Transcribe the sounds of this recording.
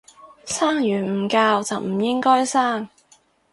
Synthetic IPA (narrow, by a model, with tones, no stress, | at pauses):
saː˥ŋjyː˨˩nm̩˨˩kaː˧wt͡sɐ˨wm̩˨˩jɪ˥ŋkɔː˥jsaː˥ŋ